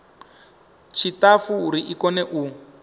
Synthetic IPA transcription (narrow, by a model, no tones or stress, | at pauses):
t͡ʃʰitafuuɾiʔikɔnɛʔu